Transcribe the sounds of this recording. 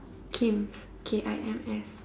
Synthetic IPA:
kʰĩms | kʰeʔaɪʔɛ̃mɛs

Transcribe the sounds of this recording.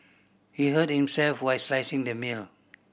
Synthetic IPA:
hiɦəd̚hĩmsɛlfwajslajsĩŋdəmil

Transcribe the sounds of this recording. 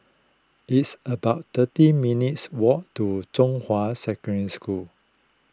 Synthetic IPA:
itsəbaʊtt̪ətiminitswɔʔtut͡ʃɔ̃ŋhwasɛkəɹə̃nskul

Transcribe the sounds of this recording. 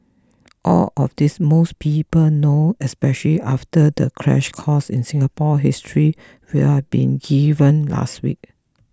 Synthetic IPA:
ʔɔ̰lɔfdismospʰiːpəlnoɛspɛʃəliʔaftədəkʰɹɛ̰ʃkʰɔsɪ̰̃nsɪ̃ŋapɔɦistʰɹi | wḭɛbḭ̃nɡivə̃nla̰stwḭk̚

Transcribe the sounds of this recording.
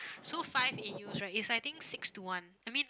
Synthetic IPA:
sofajvejusɹajtisajt̪ĩŋksɪkstuwãnajmĩn

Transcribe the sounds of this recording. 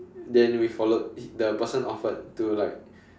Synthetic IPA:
dɛ̃nwifɔlot̚dəpəsə̃nɔfət̚tːulaɪk̚

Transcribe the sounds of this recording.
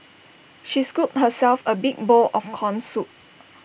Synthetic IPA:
ʃiskup̚t̚həsɛlfəbiɡ̚bɔlʔɔfkʰɔ̃nsup̚

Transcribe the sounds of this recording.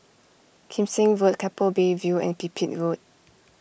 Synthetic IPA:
kʰĩmsĩŋvot̚kʰɛpəlbevjuɛ̰̃npipʰit̚vot̚

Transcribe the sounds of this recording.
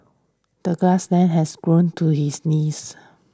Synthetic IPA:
d̥əɡɹaslɛ̃nɦɛsɡɹõntʰuhisnis

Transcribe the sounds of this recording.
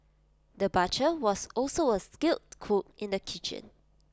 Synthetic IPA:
dəbat͡ʃəwɔsɔlsoəskɪlˠt̚kʰok̚ɪ̃ndəkʰit͡ʃə̰̃n

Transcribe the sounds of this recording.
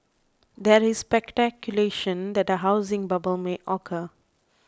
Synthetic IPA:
d̪ɛɹisːpɛktɛkjuleʃə̃nd̪ɛt̚dəɦaʊzɪ̃ŋbabəlmeʔɔkʰə

